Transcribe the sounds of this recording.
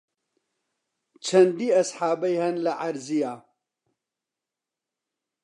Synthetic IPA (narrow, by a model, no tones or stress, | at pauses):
t͡ʃʰɐnd̪iːɐsħaːbɐjhɐnlɐʔaɾzijaː